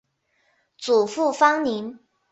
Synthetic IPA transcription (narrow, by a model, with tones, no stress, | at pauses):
t͡su˨˩fu˥˩fɑ˥ŋni˧˥n